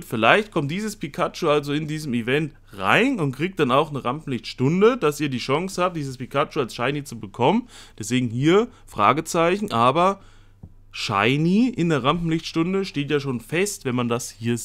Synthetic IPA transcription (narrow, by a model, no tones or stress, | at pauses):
fɪlaɪçt̚kʰɔmt̚d̥iːzəspʰikʰat͡ʃoalzoɪndiːzəmivɛnt | ʁa̰ɪnʊnt̚kʁ̥iːk̚td̥anaʊxnəʁampm̩lɪçtʃtʊndəd̥asiːɐdiːʃaŋshaːp̚t̚d̥iːzəspikʰat͡ʃoalsʃaɪnit͡subəkʰɔmənd̥ɛsv̥eːɡŋ̩hiːɐfʁ̥a̰ːɡət͡saɪçn̩ʔaːbɐ | ʃa̰ɪniʔɪndeːɐʁampm̩lɪçtʃtʊndəʃteːtjaːʃoːnfɛstvɛnmandashiːɐ